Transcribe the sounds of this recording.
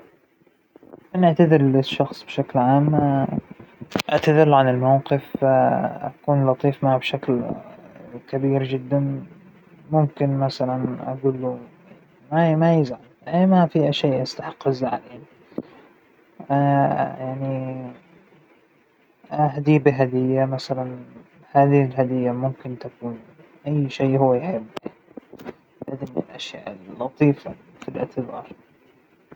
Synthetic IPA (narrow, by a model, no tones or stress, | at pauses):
ʔanɪʕt̪aðɪɾlɪʃːɑxsˤbʃaklʕaːm | ʔɪʕt̪aðɪɾʕanɪlmawqɨf | ʔakuːnlɑt̪ˤiːfmabʃakl | kabiːɾd͡ʒɪd̪ːan | mʊmkɪnmasalanʔa̰ɡuːlːujaʕʕnimamajːɪzʕanʔeːmafiʔaʃeːʔast̪aħɑ̥qːɨzʕaleːn | ʔajaʕni | aɦd̪iːbɪɦad̪ɪjːamasalan | haːðɪhɪlɦad̪ɪjːamʊmkɪnt̪akuːn | ʔajːʃeːʔhʊwːajħɪbːan | lad̪ɪnːɪ̰lʔaʃja̰ːʔɪllːɑt̪ˤiːfafilʔɪ̰ʕt̪ɪðɑːɾˤ